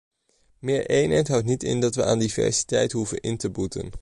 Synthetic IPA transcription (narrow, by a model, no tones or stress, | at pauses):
mɪːɹʔejnɛjtɦʌwtnitɪ̰ndɑtʋəʔa̰ːndivɛ̰ɹsi̥tɛjtɦuvənʔɪntəbutə̰n